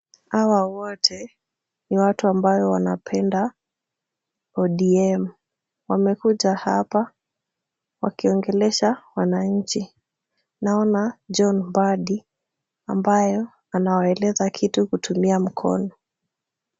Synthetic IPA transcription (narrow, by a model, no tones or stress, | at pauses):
awawɔtʰɛ | niwatuambajɔwana̰pʰɛnda | ɔɗiɛm̩ | wamɛkuʄaha̰pa | wakiɔŋɡɛlɛʃawanaɲ̩t͡ʃi | naɔnad͡ʒɔnbaɗi | ambajɔ | anawaɛlɛzakʰitukutumiam̩kʰɔ̰nɔ